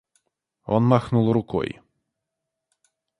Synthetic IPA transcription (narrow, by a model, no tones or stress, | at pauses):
ɔ̰nmaxnulˠrʊkɔ̰j